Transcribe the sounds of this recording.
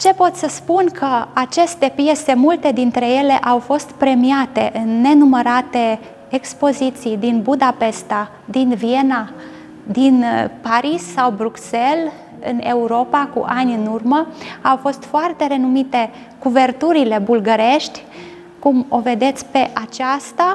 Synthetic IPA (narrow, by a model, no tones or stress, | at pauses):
t͡ʃe̞po̞t̪səspunkʰəat͡ʃe̞st̪e̞pje̞se̞mult̪e̞d̪int̪ɾe̞je̞le̞ʔawfo̞st̪pɾe̞miat̪e̞ʔɨnːe̞numəɾat̪e̞ː | kspo̞zit̪sijd̪inbud̪ape̞st̪a | d̪invije̞na | d̪inpaɾisːawbɾukse̞l | ɨ̰ne̞uɾo̞pakṵʔanʲɨnurməawfo̞st̪foart̪e̞ɾe̞numit̪e̞ | kuve̞rt̪uɾile̞bulɡəɾe̞ʃt̪ʲ | kumo̞ve̞d̪e̞t̪sʲpe̞ʔat͡ʃast̪a